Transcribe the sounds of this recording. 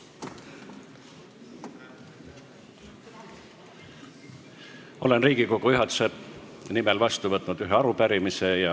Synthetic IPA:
o̞le̞nriːɡ̥iko̞ɡuyɦɑt̪u̥se̞nimelvɑst̪uvɤt̪ːˑnud̪̥yɦeɑɾupæɾimise̞jɑ

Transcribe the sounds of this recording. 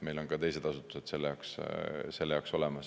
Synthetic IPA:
me̞jlo̞nkɑt̪e̞jse̞d̪̥ɑsut̪ːˑu̥se̞d̪̥se̞lːejɑːksse̞lːejɑokso̞lemɑs

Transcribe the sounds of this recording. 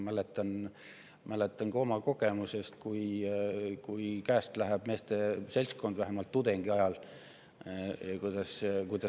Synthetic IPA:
mælet̪ˑːɑn | mæle̞t̪ːˑɑŋɡɑo̞mɑko̞ɡ̥e̞muse̞st̪̚kuj | kujkæːst̪læɦæb̥me̞ːst̪e̞se̞lsko̞nd̪væɦæmɑlt̪ːud̪e̞ŋɡ̥iɑjɑl | kujd̪̥ɑskujd̪̥ɑ

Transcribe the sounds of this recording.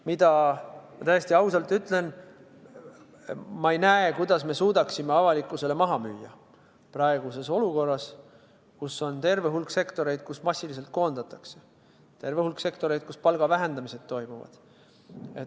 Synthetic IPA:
mid̪̥ɑmɑt̪æjesʲt̪iɑwsɑlt̪ˑːyt̪ːˑle̞n | mɑejnæekujd̪̥ɑsme̞suːd̪̥ɑksime̞ɑvɑlikːˑuse̞le̞mɑɦɑmyːjːɑ | prɑeɡ̥use̞so̞luko̞rːɑs | kusːo̞nt̪e̞rve̞ɦulkse̞kt̪o̞ɾe̞jd̪̥̚kusmɑsʲːilis̬e̞lt̪̚ko̞ːnd̪̥ɑt̪ːˑɑkse | t̪e̞rvehulkse̞kt̪o̞ɾe̞jd̪̥̚kuspɑlɡ̥ɑvæɦe̞nd̪̥ɑmise̞d̪̥̚t̪ːo̞jmuvɑ̰d̪̥ | e

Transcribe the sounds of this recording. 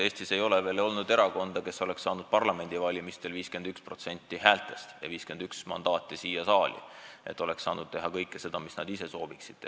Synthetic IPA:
eːst̪ise̞jo̞leveːlo̞lnud̪e̞ɾɑko̞nd̪̥ɑke̞so̞le̞kssɑːnud̪̥̚pɑrlɑme̞nʲd̪ivɑlʲimist̪e̞lviːske̞nd̪ykspro̞t̪se̞nʲt̪ːˑihæːlt̪ːˑe̞st̪jɑ̰viːske̞nd̪yksmɑ̰nd̪ɑːt̪ːˑisiːjɑsɑːlʲḭʔet̪ːˑo̞le̞ksɑ̰ːnud̪̚t̪e̞ɦɑkɤjkːˑese̞d̪̥ɑmisnɑd̪ise̞so̞ːbiksid̪̥̚t̪e

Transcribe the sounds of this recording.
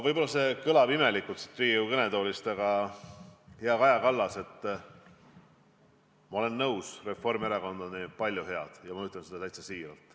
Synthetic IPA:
vɤjb̥o̞lɑse̞kɤlɑbime̞likːˑult̪si̥t̪riːukene̞d̪o̞ːlist̪ɑɡ̥ɑ | heɑkɑjɑkɑlːɑse̞t̪ːˑ | mɑo̞le̞nːɤwsre̞fːo̞rmeɾɑko̞nd̪ɑnipɑlʲːjuhe̞ɑd̪̥jɑmɑyt̪ːˑlensed̪ɑt̪æjt̪sesiːɾɑlt̪ˑ

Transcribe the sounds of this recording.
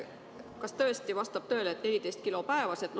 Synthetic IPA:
kɑst̪ɤ̞est̪ivɑst̪ɑb̥̚t̪ø̞ːlet̪ne̞lʲit̪e̞jst̪̚kilo̞pæevɑset̪l

